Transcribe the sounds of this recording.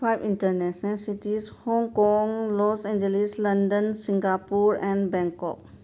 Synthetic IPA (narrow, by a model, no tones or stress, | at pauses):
pʰaɪʋɪ̃ɳʈəɾnɛʃnəlsiʈizhɔ̃ŋkɔŋlɔːsɛ̃nd͡ʒelislɐ̃nɖənsɪ̃ŋɡapuɾɛ̃nɖbɛ̃ŋkɔ̰k